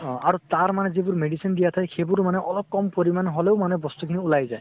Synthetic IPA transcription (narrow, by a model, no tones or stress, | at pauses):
ɔ̃aɾut̪aɹmanezebuɾmeɖisind̪ijat̪ʰajxebuɾmaneʔɔlɔp̚kɔmpoɾimanɦoleʊmanebɔst̪ukʰiniulajzaj